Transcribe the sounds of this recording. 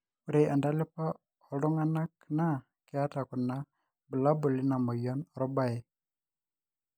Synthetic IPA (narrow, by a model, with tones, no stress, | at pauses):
u˨ɾe˨ʔa˨nda˦lɪ˦pa˦ | ɔ˨lɔ˦ŋa˦na˦kna˦ | kɪ˦a˦ta˨ku˨na˦ | bə˨la˦bu˨li˦na˨mɔ˨jɔ˦nɔ˨ɾɔ˦ba˦je˨